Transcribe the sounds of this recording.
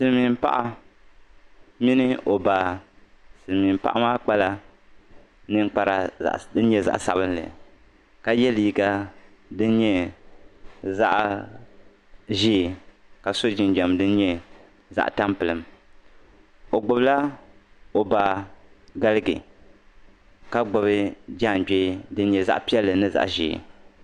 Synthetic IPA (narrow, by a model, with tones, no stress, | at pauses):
sɨ˨lmi˨m˦pa̰˦ʔa˦ | mi˦nɨ˦o˨ba˨ | sɨ˨lmi˨m˨pa̰˦ʔa˦maː˦k͡pa˦la˦ | nɨ˦ŋk͡pa˨ɾa̰˨ʔdɨ˦n˦ɲɛ˦za̰˦ʔsa̰˨bɨ˦nlɛ̰˨ | ka˨jɛ˦liː˨˦ɡa˦dɨ˦n˦ɲɛ˦ | za˦ʔ | ʒiː˦˨ka˨so˦d͡ʒi˨nd͡ʒɛ˨mdɨ˦n˦ɲɛ˦ | za̰˦ʔta˦mpɨ˨lɨ˨m | o˨ɡ͡bʊ˨bla˦ | o˨ba˨ | ɡa˦lɨ˦ɡɨ̰˨ | ka˦ɡ͡bʊ˨bɨ˦d͡ʒa˦˨d͡ʒeː˦dɨ˦n˦ɲɛ˨za̰˦ʔpi˦ɛ˦lːɨ˨nɨ˦za̰˨ʔʒḭː˨